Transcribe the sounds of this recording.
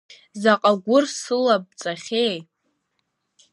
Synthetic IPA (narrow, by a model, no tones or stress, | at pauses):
zaqʼaɡʷʊrsɨlab̚t͡sʼaχʲej